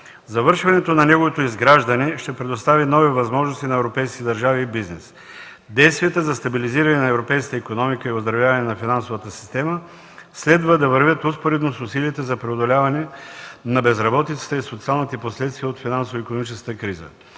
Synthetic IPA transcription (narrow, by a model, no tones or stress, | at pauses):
zɐvɤɾʃvɐnɛt̪onɐnɛɡovot̪oizɡɾaʒd̪ɐniʃt̪ɛpɾɛd̪ost̪avinɔvivɐzmɔʒnost̪inɐɛvɾopɛjskit̪ɛd̪ɐɾʒaviːbiznɛs | d̪ɛjst̪viət̪əzɐst̪ɐbiliziɾɐnɛnɐɛvɾopɛjskət̪ikonɔmikəiʊzd̪ɾɐvʲjavɐnɛnɐfinansovət̪əsi̥st̪ɛmə | slɛd̪vəd̪ɐvɐɾvʲət̪uspoɾɛd̪nosʊsiliːt̪ɛzɐpɾɛod̪olʲavɐnɛnɐbɛzɾɐbɔt̪it̪sə̥t̪əisot̪sialˠnit̪ɛposlɛt̪st̪viəot̪finansovikonomit͡ʃɛskət̪əkɾizə̰